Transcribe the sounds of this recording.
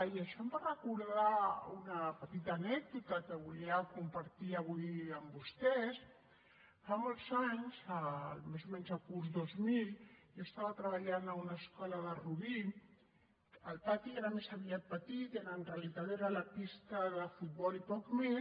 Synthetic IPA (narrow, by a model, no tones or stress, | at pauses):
iaʃɔmbarəkuɾðaunapət̪it̪aːnɛk̚d̪ut̪akəβuliakumpaɾt̪iaβujəmbust̪ɛs | famolzaɲsalmezomɛnzakuɾzd̪ozmiljost̪aβat̪ɾəβaʎanaunaskɔlaðəruβi | əlpat̪ieɾamesaβiapət̪it̪eɾaːnrealit̪at̪eɾalapist̪aðəfut̪̚bɔlipɔkme